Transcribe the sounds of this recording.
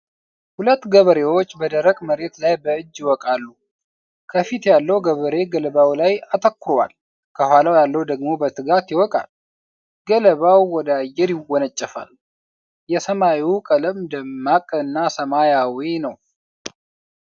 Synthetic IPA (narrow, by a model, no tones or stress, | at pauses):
hulət̪ːɡəβəɾe̞wot͡ʃːbəd̪əɾəkʼməɾe̞t̪lajbəɨd͡ʒːjɪwɔkʼalːu | kʰəfit̪jalːəwɡəβəɾe̞ɡələβawlajat̪ʰəkːɨɾwa̰l | kʰəhʷalawjalːəwd̪əɡmo̞bət̪ʰɨɡat̪jɪwɔkʼa̰l | ɡələβawːɔd̪ajːɛɾjɪwɔnət͡ʃʼːəfa̰l | jɛsəmawiwukʼələmd̪əmːakʼəɨnːasəmajawinəw